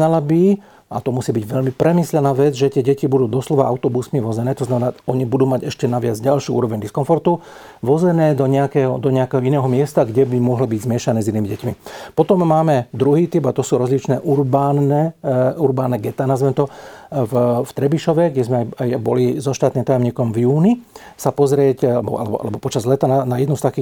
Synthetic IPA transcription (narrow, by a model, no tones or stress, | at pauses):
alabi | a̰t̪ɔmusiːbiɟʋɛʎmipɾɛmislɛnaːʋɛd͡zʒɛt̪ɪɛɟɛcibud̪uːd̪ɔslɔʋaʔa̰ʊt̪ɔbusmiʋɔzɛnɛːt̪ɔznamɛnaːɔɲibud̪uːmaɟɛʃcɛnaʋɪad͡zɟalʃjuːṵːɾɔʋɛɲd̪iskɔɱfɔɾt̪u | ʋɔzɛnɛːd̪ɔɲɛakɛːɦɔd̪ɔɲɛakɛːɦɔinɛːɦɔmɪɛst̪aɡɟɛbimʊɔɦlibiɟzmɪɛʃanɛːzinːiːmiɟɛcmipɔt̪ɔmːaːmɛd̪ɾuɦiːt̪ibat̪ɔsuːɾɔzlit͡ʃnɛːʔuɾbaːnɛːuɾbaːnɛɡɛt̪aːnazʋɛmt̪ɔvft̪ɾɛbiʃɔʋɛɡɟɛzmɛajajbɔ̰lizɔʃt̪aːt̪niːmt̪ajɔmɲiːkɔmvjuːni | sapɔzɾɪɛcɛbɔ̰ʔa̰lɛbɔ̰a̰lɛbɔpɔt͡ʃazlɛt̪aːnanajɛd̪nust̪akiː